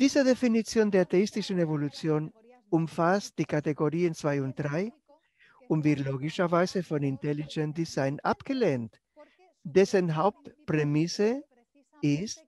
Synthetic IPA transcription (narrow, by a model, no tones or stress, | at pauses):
d̥iːzədefinit͡sjoːndeːɐteistɪʃn̩evolut͡sjoːn | ʊmfast̚d̥iːkateɡoʁiːənt͡sv̥aɪʊnt̚d̥ʁaɪ | ʊntvɪtloːɡɪʃɐvaɪzəfɔnintɛlid͡ʒɛnt̚d̥izaɪna̰pɡ̥əleːnt | d̥ɛsənɦaʊp̚tpʁemɪsə | ɪst